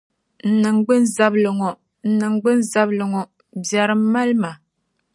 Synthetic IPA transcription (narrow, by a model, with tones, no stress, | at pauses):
n̩˨nɨ˨ŋɡ͡bɨ˦n˦za˦blɨ˨ŋɔ˨ | n̩˨nɨ˨ŋ˦ɡ͡bɨ˦n˦za˦blɨ˨ŋɔ˨ | bja˨ɾɨ˨m˦ma˦lma˨